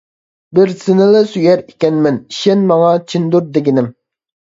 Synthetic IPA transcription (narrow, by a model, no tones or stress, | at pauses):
bɪɾsɪnɪlɪsyjɛɾikʲɛnmɛnʃɛnmɑŋɑt͡ʃʰind̪uɾd̪eɡʲinɪm